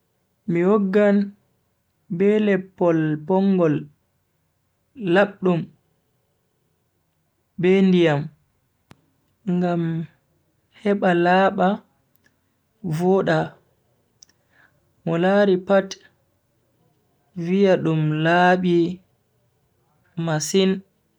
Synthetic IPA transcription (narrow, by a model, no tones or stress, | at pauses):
miwɔɡːan | bɛlɛpːɔlpɔŋɡɔl | aɓɗum | bɛndijam | ŋɡam | hɛɓalaːɓa | vɔɗa | mɔlaːɾipat | vijaɗumlaːɓi | masin